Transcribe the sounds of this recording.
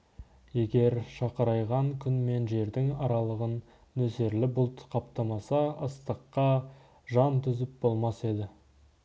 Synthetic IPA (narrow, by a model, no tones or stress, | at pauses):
je̞ɡʲe̞ɾʃɑqəɾɑjʁɑŋkʲʰʏnme̞nʒe̞ɾd̪ɪŋɑɾɑlˠəʁənː | ɵse̞ɾlɪbʊlˠt̪qʰɑpt̪ɑmɑsɑəst̪əqːɑ | ʒɑnt̪ʰʏzɪp̚bo̞lˠmɑse̞d̪ɪ